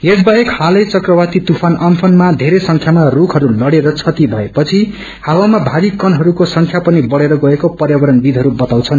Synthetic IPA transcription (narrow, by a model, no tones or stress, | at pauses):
esbʱʌekhalʌt͡sʌkrʌwat̪it̪upʰanʌmpʰʌnmad̪ʱeɾesʌŋkʰjamarukʰɦʌɾulʌɽeɾʌt͡sʰʌt̪ibʱʌepʌt͡sʰi | hawamabʱaɾikʌnɦʌɾukosʌŋkʰjapʌnibʌɽeɾʌɡʌekopʌrjabʌɾʌnbid̪ʱɦʌɾubʌt̪aw̃t͡sʰʌn